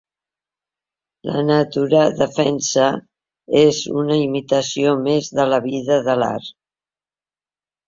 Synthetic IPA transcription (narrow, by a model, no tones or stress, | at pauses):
lʔə̰nət̪uɾəðəfɛnsə | ezunəimit̪əsiomezðələβiðəðəla̰ɾ